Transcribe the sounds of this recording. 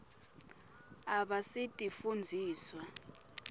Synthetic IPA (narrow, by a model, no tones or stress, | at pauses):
aɓasitʼifund͡zʱiːswa